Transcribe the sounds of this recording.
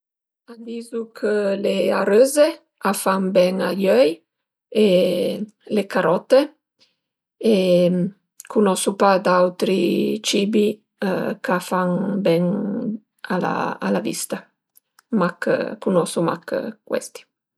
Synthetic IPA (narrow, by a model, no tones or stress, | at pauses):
ad̪iːzukʰəleaɾøːze | afaŋbɛŋaʎœj | e | lekaɾɔt̪ːe | e | kunɔsupad̪awt̪ɾit͡ʃiːbi | kafaŋbɛŋ | a̰la̰a̰lavḭst̪a | makkunɔsuma̰kkwɛ̰st̪i̥